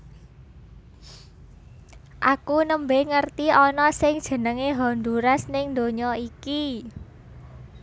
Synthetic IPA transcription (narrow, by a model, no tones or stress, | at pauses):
ʔakunəmbeŋərt̪iɔnɔsɪŋd̥ʒ̥ə̤nəŋeɦɔnd̪uɾasnɪŋnd̪oɲɔiki